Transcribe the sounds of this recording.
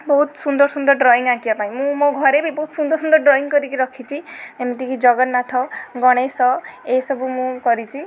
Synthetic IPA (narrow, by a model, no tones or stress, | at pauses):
bɔɦut̪sund̪ɔɾsund̪ɔɾɖɾɔiŋɡakijapaĩmũmoɡʱɔɾebibɔɦut̪sund̪ɔɾsund̪ɔɾɖɾɔiŋkɔɾikiɾʌkʰit͡ʃʰiemit̪ikid͡ʒɔɡɔnnat̪ʰɔɡɔɽ̃esɔesɔbumũkɔɾit͡ʃʰi